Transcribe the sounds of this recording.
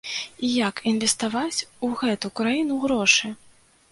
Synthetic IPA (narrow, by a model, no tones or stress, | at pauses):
ijakinvʲɛst̪avat͡sʲuɣɛt̪ukɾajinuɣɾɔʂɨ